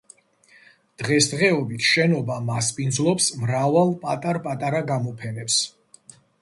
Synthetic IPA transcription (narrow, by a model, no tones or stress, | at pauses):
d̪̥ʁɛsd̪ʁɛɔbit̪ʰʃɛnɔbamaspʼinzlˠɔpsmɾavalˠpʼat̪ʼaɾpʼat̪ʼaɾaɡamɔpʰɛnɛps